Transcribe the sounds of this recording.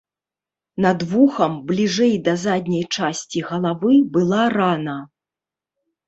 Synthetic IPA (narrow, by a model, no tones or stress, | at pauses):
nɐd̪vuxɐmblʲiʐɛjd̪ɐzad̪ʲnʲɐjt͡ʂasʲt͡sʲiɣɐlˠavɨbɨlˠaranɐ